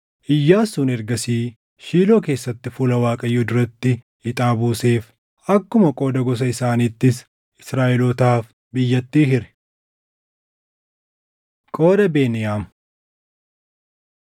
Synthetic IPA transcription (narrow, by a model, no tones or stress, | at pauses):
ʔɪjːaːsuːnɛɾɡɐsiː | ʃiːlo̞ːke̞ːsːɐt̪ːɪfʊlɐwaːkʼɐjːʊd̪ʊɾɐt̪ːɪ | ɪt̪ʼaːbuːse̞ːf | ʔɐkːʊmɐkʼo̞ːd̪ɐɡɔs̬ɐɪsaːniːt̪ːɪs | ɪsɾaːʔɛlɔt̪aːf | bɪjːɐt̪ːiːɦɪɾɛ̥ | kʼo̞ːd̪ɐbe̞ːnɪjaːm